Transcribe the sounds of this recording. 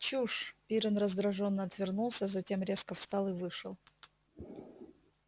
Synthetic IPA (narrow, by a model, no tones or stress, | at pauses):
t͡ɕuʂpʲiɾʲɪnrəzd̪ɾɐʐo̞nːəɐt̪vʲɪrnulˠsʲəzɐtʲe̞mɾʲe̞skəfst̪ɑlˠɨvɨʂɨlˠ